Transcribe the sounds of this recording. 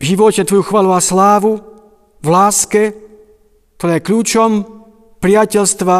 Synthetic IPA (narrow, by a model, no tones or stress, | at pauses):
ʒiʋɔcɛt̪ʋɔjuxʋaːluaslaːʋu | vlaːskɛ | kt̪ɔɾɛːjɛkʎuːt͡ʃɔm | pɾɪacɛlst̪ʋa